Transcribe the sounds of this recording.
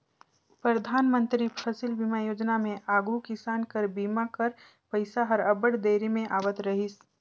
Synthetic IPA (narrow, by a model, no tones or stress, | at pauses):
pɾəd̪ʱaːnmə̃nt̪ɾipʰəsɪlbiːmajoːd͡ʒnamẽʔaːɡukɪsaːnkəɾbiːmakəɾ | pəɪsaɦəɾəbəɽd̪eːɾimẽʔaːʋət̪ɾəɦis